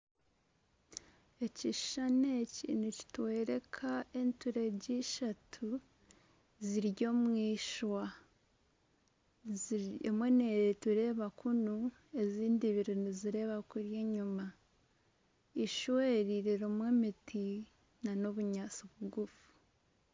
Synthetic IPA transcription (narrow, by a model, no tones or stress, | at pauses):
e̞ciʃanecḭnici̥twe̞ːɾe̞kʰae̞ntuɾeɟiʃatʰu | ziɾɟo̞mwiːʃwa | emwe̞netuɾe̞ːβakunu | e̞ziːndiβiɾinuziɾe̞βakuɾjeɲuma | iʃweɾiɾiɾomwemiti | nanoβuɲasoβuɡufu̥